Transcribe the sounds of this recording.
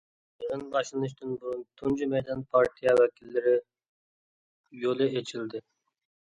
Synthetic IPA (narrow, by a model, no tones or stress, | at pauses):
ʁɨnbɑʃlˠɨnɨʃ̬t̪ɨnbuɾʊnt̪ʰund͡ʒimɛjd̪ɑnpʰɑɾt̪ʰijɛwɛkʲʰilːɪɾɪ | jolˠɨʔet͡ʃʰild̪ɪ